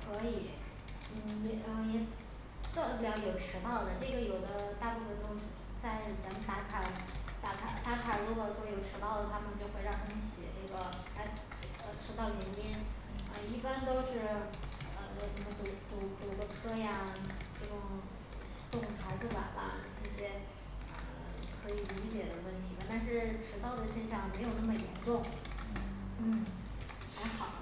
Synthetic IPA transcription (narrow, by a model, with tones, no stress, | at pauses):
kʰɤ˧˥i˨˩˦ | n̩˥˩ɛ˧˥ə˧˩jɛ˨˩ | kə˥˩pu˥˩jɑ˥˩jo˨˩ʊʈ͡ʂʰɻ̩˧˥t̪ɑ˥˩ʊd̪ə˩ʈ͡ʂɤ˥˩ɡə˩jo˨˩ʊd̪ə˦t̪a˥˧pu˥˧fə˨˩nt̪o˥ʂ̩˥˧ | t͡sa˥˩ɪt͡sa˧˥m˨˩t̪a˧˥kʰa˨˩˦t̪a˧˥kʰa̰˧˩t̪a˧˥kʰa˨˩ɻu˧˥kɔ˥˧˩ʂwɔ˥jo˨˩ʊʈ͡ʂʰɻ̩˧˥t̪ɑ˥˩ʊd̪ə˨˩t̪ʰa˥mə˨nt͡ɕjo˥˧ʊxwe˥˧ɪɻɑ˥˩ŋt̪ʰa˥mə˧ɕjɛ̰˨˩˦ʈ͡ʂɤ˥˩ɡə˩ | a˧˥˩ | ə˧ʈ͡ʂʰɻ̩˥t̪ɑ˥˩ʊlɥɛ˧˥njɛ˥n | ə˧i˥˩pa˥nt̪o˥ʊʂɻ̩˥˩ | ə̰˧˩wɛ˥˩ɪʂə˧˥nmə˧t͡ɕo˥˧ʊt̪u˧˥˩pu˥˩˨ɡɔ˥ʈ͡ʂʰɤ˥ja˧ʈ͡ʂɤ˥˩ʈ͡ʂʊ˧˥˩ŋ˧˩ | so˥˩ʊkʊ˨˩ŋxa˧˥ɪd͡zɹ̩˧pa̰˨˩nlɐ̰˦ʈ͡ʂɤ˥˩ɕjɛ˥ | ə̰˧˩ | kʰɤ˧˥i˨˩li˧˥t͡ɕjɛ˨˩d̪ə˦wə˥˩nt̪ʰi˧˥mə˨˩t̪a˥˧nʂ̬ɻ̩˥˩ʈ͡ʂʰɻ̩˧˥t̪ɑ˥˩ʊd̪ə˩ɕjɛ˥˧nɕjɑ˥˩ŋme˧˥ɪjo˨˩ʊnə˥˩mə˩jɛ˧˥nʈ͡ʂʊ˥˩ŋ | n̩˥˩ | xa˧˥ɪxɑ˨˩˦ʊ